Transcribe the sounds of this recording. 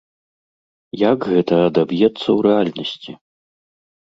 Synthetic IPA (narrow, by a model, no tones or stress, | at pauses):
jakɣɛt̪ɐːd̪abjɛt̪sːɐwɾɛalʲnɐsʲt͡sʲi